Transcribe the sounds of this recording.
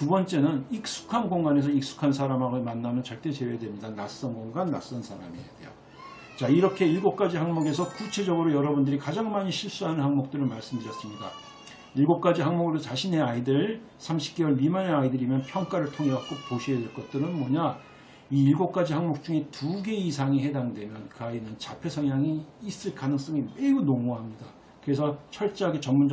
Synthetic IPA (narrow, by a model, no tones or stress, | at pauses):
tubʌnt͡ɕ͈e̞nɯnik̚s͈u̥kʰanɡoŋɡane̞s̬ʰʌik̚s͈u̥kʰans̬ʰaɾamaɡmanːamɯnt͡ɕʌɭt͈e̞t͡ɕe̞wedwe̞mɲidanas͈ʌnɡoŋɡanːa̰s͈ʌnsʰaɾa̰midḛjo̰ | t͡ɕaiɾʌkʰe̞iɭɡop̚k͈ad͡ʑihaŋmoɡe̞sʰʌkut͡ɕʰe̞d͡ʑʌɡɯɾojʌɾʌbundɯɾikad͡ʑaŋmaɲiɕʰiɭs͈uɦanɯnhaŋmok̚t͈ɯɾɯɭmaɭs͈ɯmdɯɾjʌs͈ɯmɲida | iɭɡop̚k͈ad͡ʑiɦaŋmoɡɯɾot͡ɕaɕʰine̞aidɯɭ | sʰamɕʰi̥p̚k͈ewʌɭɥimaneaidɯɾimjʌnpʰjʌŋk͈aɾɯɭtʰoŋeak͈opoɕʰiedwe̞ɭk͈ʌt̚t͈ɯɾɯnmwoʌɲa | iːɭɡop̚k͈ad͡ʑihaŋmok̚t͡ɕ͈uŋe̞tuɡe̞isʰaŋiɦe̞daŋdwe̞mjʌnkɯainɯnt͡ɕapʰe̞sʰʌŋjaŋiːs͈ɯɭkanɯŋs͈ʌŋime̞unoŋoɦamɲida | kɯɾe̞s̬ʰʌt͡ɕʰʌɭt͡ɕ͈aaɡet͡ɕʌmmːund͡ʑ